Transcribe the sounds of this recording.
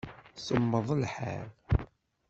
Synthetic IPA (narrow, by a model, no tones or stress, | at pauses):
səmːəðˤəlħa̰ɾ